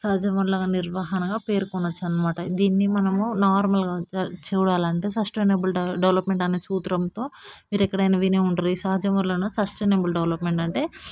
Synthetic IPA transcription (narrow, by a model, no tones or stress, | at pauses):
saːd͡ʒɐmɐɾlaːɡaniɾʋaːɦɐnɐɡaːpe̞ːɾukɔnːɐt͡ʃːɐnːɐmaːʈɐd̪iːnːimɐnɐmunaːɾmɐlɡaːt͡ʃɛːɽaːlɐɳʈe̞ːsɐsʈeːnɐbulɖeʋlɐpme̞ɳʈɐne̞ːsuːt̪ɾɐmt̪o̞ːmiːɾɛkːɐɽɐjnɐʋineːuɳʈunisaːd͡ʒɐmɐɾloːnɐːsɐsʈeːnebulɖeʋlɐpmeɳʈɐɳʈe̞ː